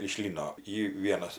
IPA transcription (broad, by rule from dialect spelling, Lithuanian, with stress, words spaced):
ɪʃ ˈlʲiːnoː ˈiː ˈʋʲiɛnɐs